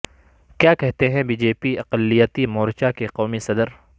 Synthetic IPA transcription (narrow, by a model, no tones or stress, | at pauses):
kjaːkɛɦt̪eɦɛ̃biːd͡ʒeːpiɐqəlːijət̪imɔːɾt͡ʃakeqɔːmisɐd̪əɾ